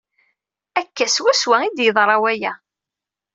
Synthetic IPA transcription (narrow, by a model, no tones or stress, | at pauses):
ækːæswæswæid̪jəðˤɾˤɑwæjæ